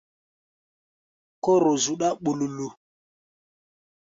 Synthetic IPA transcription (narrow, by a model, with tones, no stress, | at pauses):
ko˦ɾʊ˨zu˨ɗa˦ɓu˨lu˨lu˨